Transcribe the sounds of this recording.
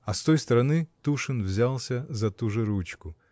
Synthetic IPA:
ɐst̪ojst̪ɐɾɐnɨt̪uʂɨnvzʲalˠsʲɐzɐt̪uʐɨɾut͡ɕkʊ

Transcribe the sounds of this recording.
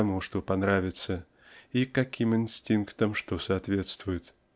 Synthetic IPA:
ɐmuʂt̪opɐnɾavʲɪt̪sə | ikɐkʲimɨnsʲtʲinkt̪əmʂt̪osɐːt̪vʲe̞t̪st̪vʊjɪt̪

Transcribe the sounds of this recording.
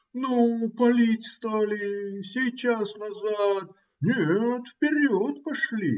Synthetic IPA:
nupɐlʲitʲst̪alʲɪsʲejt͡ɕasnɐzat̪̚ | nʲet̪fpʲɪɾʲot̪pɐʂlʲi

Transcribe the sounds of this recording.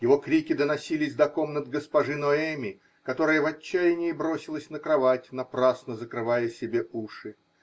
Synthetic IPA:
jɪvo̞kɾʲikʲɪd̪ənɐsʲilʲɪzʲd̪ɐko̞mnəd̪̚ɡəspɐʐɨnoɛmʲɪ | kɐt̪o̞ɾəjəvɐt͡ɕːæjɪnʲɪɪbɾo̞sʲɪlˠəsʲnəkɾɐvatʲnɐpɾasnəzəkɾɨvajəsʲɪbʲeuʂɨ

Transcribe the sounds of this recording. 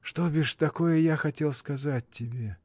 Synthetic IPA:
ʂt̪obʲɪʂt̪ɐko̞jəjaxɐtʲe̞lˠskɐzat̚ʲtʲːɪbʲe̞

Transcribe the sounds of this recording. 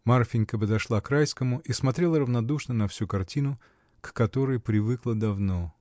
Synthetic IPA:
marfʲɪnʲkəp̬əd̪ɐʂlˠakrajskəmʊʔismɐt̪ɾʲe̞lˠəɾəvnɐd̪uʂnənɐfsʲukɐrtʲinʊ | kːɐt̪o̞ɾɨjpɾʲɪvɨklˠəd̪ɐvno̞

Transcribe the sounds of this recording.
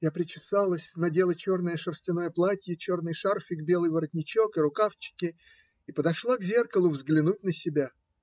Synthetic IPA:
japɾʲɪt͡ɕɪsalˠəsʲnɐdʲe̞lˠət͡ɕo̞rnəjəʂərsʲtʲɪnojəplˠatʲjɪt͡ɕo̞rnəjʂarfʲɪɡbʲe̞lˠɨjvəɾət̪ʲnʲɪt͡ɕo̞kɨɾʊkaft͡ɕɪ̥kʲɪ | ipəd̪ɐʂlˠaɡzʲe̞rkəlˠʊvzɡlʲɪnutʲnəsʲɪbʲa

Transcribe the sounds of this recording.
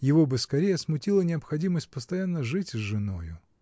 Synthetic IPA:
jɪvobɨskɐɾʲejəsmʊtʲilˠənʲɪɐpxɐdʲiməsʲt̚ʲpəst̪ɐjanːəʐɨtʲzʐɨno̞jʊ

